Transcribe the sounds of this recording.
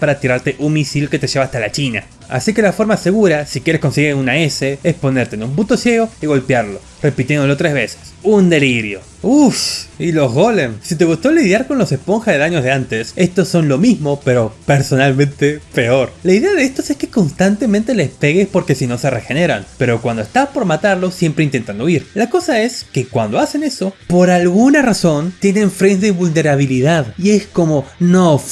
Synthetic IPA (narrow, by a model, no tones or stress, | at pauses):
paɾat̪iɾaɾt̪e̞ʔunmisilke̞t̪e̞ʒe̞βaːst̪alat͡ʃina̰ | a̰sike̞lafo̞ɾmase̞ɣuɾasikjeɾe̞sko̞nseɣunaeseespo̞ne̞ɾt̪enumput̪o̞sje̞ɣ̞o̞iɣo̞lpjaɾlo̞ | re̞pit̪je̞nd̪olo̞t̪ɾe̞zβe̞se̥sund̪e̞liɾjo̞̰ | ufsilo̞zɣo̞lensit̪e̞ɣust̪o̞liðjaɾko̞nlose̞spo̞ŋxaðeðaɲozðeant̪ese̞st̪osːo̞nlo̞mizmo̞pe̞ɾo̞pe̞ɾso̞nalmẽ̞nt̪e̞pe̞o̞ɾlaiðe̞að̞eest̪o̞se̞ske̞ko̞nst̪ant̪e̞mẽnt̪e̞lespe̞ɣespo̞ɾke̞sino̞se̞rexe̞ne̞ɾa̰npe̞ɾo̞kwand̪oest̪aspo̞ɾmat̪aɾlo̞sje̞mpɾeint̪e̞nt̪and̪oiɾlako̞sae̞ske̞kwa̰nd̪oase̞ne̞so̞po̞ɾalɣunaraso̞nt̪je̞ne̞ɱfɾenzdeβulne̞ɾaβ̞iliðaðie̞sko̞mo̞no